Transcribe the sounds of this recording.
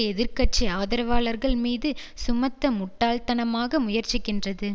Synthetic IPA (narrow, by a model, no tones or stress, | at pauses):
ɛðɪɾkɐʈ̚t͡ʃiaːðɐɾɐʋaːɭɐɾɣɐɭmiːðɯsʊmɐt̪ːɐmʊʈːaːlt̪ɐnɐmaːɣɐmʊjɐɾt͡ʃɪkːɪndrɐðɯ